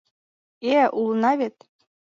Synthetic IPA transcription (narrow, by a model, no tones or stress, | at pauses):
eʔulˠnɑβʲet̪